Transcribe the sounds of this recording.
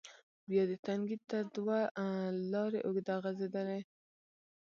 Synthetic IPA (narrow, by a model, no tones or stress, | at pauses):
bjɑd̪ət̪aŋɡid̪̚t̪ad̪walɑɾeʔʊɡd̪aɣazed̪ane